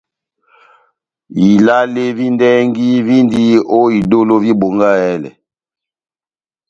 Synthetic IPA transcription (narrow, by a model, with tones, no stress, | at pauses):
i˨la˦le˦vi˦ndɛ˦ŋɡi˦vi˦ndi˦o˦i˨do˦lo˦vi˦bo˨ŋɡa˦ɛ˦lɛ̰˨